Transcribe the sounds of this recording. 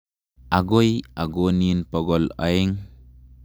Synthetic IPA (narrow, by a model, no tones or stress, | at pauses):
ʔaɡojaɡoninpɔɡɔla̰iŋ